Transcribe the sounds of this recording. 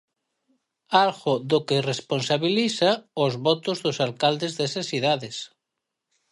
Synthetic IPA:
alɣoðokeresponsaβiliθaozβɔt̪ozðosalkald̪ezðesasiðaðes

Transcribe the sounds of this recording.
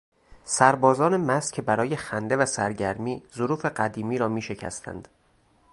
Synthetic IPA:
sæɾbɒːzɒːne̞mæscʰebæɾɒːje̞xænd̪evæsæɾɟæɾmiːzoɾuːfe̞ɢæd̪iːmiːɾɒːmiːʃe̞cʰæ̰st̪ʰæ̰nd̪̥

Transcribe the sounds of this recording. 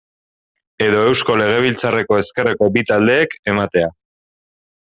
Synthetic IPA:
e̞ðo̞e̞wsko̞le̞ɣ̞e̞β̞ilt͡sare̞ko̞e̞ske̞reko̞bit̪ald̪e̞ːke̞mat̪e̞a

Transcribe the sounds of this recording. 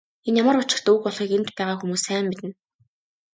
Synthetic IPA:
enjaməɾʊt͡ɕɪ̆rt̪ːukpɔɮχiːkent̪pæːʁaːxumuːsæːmːit̪ɘ̆n

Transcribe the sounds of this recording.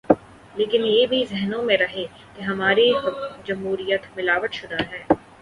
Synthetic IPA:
leːkɪnjeːbʱizɛɦnõmẽɾɐɦe | keɦɐmaːɾid͡ʒɐmɦuːɾijət̪mɪlaːʋət̪ʃʊd̪aɦɛː

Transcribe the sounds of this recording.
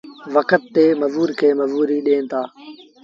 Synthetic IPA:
ʋəkət̪ːeːməʋuːɾkʰeːməʋuːɾiːɗẽːnt̪ʰaː

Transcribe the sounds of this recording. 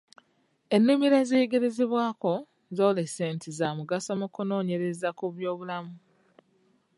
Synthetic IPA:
e̞nːumiɾezeːɡe̞ɾe̞zeβwaːko̞ | zoːleseːntizaːmuɡasomukuno̞ːɲe̞ɾe̞zakuβjo̞ːβulamu

